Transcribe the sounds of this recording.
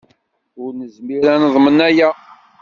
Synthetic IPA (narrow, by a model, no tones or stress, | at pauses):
ʊɾnəzmiɾænəðˤmənæjæ